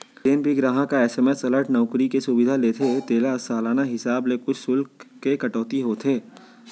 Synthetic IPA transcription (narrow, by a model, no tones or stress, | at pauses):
eːnbʱiɡɾaːɦakaɛːseːmesɐləɾʈnɔːkɾikesʊbɪd̪ʱaleːt̪ʰet̪eːlasaːlaːnaɦɪsaːblekʊt͡ʃʰsʊlkːekɐʈɔːt̪iɦot̪ʰeː